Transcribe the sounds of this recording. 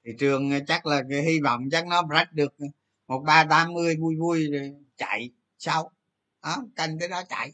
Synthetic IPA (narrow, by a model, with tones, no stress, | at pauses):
t̪ʰi˨˩t͡ɕɨ˨˩əŋː˨˩t͡ɕa˦˥k̚laː˨˩ka˨˦hi˧vɔ̰˧˨wŋ͡mt͡ɕa˦˥k̚nɔ˨˦za˦˥t̟̚ɗɨ˨˩ək̚ː | mo˨˩t̚ɓaː˧t̪aː˨˦mːɨ˧əjvu˧jvu˧j | t͡ɕa̰˧˨j | sa˧w | ʔa˨˦t̪a˧˩nt̪ə˨˦jɗɔ˨˦t͡ɕa̰˧˨j